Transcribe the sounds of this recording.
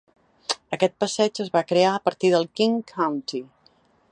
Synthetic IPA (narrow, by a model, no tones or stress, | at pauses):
əkɛt̪̚pəsɛd͡ʒəzβakɾeaəpəɾt̪iðəlˠkiŋkʰːawnt̪i